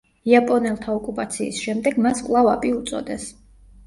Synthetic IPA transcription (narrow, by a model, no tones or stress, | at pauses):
iapʼɔnɛlˠt̪ʰaɔkʼupʼat̪sʰḭːsʃɛmd̪ɛɡmaskʼvlˠavapʼiut̪sʼɔ̰d̪ɛs